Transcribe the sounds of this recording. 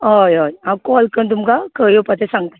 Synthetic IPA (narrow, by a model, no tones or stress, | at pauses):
ɦojojãkɔːlkənt̪̬umkakəjopət̪esãŋɡ̚t̪a